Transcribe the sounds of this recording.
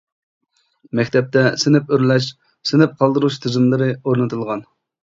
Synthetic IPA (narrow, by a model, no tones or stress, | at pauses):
mɛkʲt̪ʰɛp̚t̪ɛsɪnɪpøɾlɛʃ | sɪnɪp̚qʰɑlˠd̪ɨɾuʃt̪ʰɨzɨmlˠɨɾɨoɾnɨt̪ʰɨlˠʁɑn